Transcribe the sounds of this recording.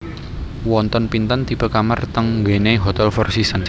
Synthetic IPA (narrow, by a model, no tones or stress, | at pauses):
wɔnt̪ɔnpint̪ənt̪ipəkamərt̪əŋɡeneɦot̪ɛlfɔrsisən